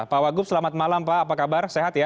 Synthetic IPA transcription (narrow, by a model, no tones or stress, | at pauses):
pawaɡʊp̚səlamat̪̚malampaːpakabarseɦat̪ja